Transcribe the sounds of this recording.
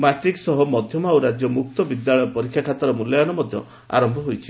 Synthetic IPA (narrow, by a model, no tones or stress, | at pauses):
maʈɾiksɔɦɔmɔd̪ʱjɔmawɾad͡ʒjɔmuk̚t̪ɔbid̪jaɭɔjɔpɔɾikʰjakʰat̪ɔɾɔmulːjɔjanɔmɔd̪ʱjɔ | a̰ɾɔmbʱɔɦojt͡ʃʰi